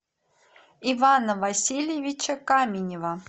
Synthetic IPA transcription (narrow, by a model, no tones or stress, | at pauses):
ivanəvasʲilʲjɪvʲit͡ɕəkamʲɪnʲɪvə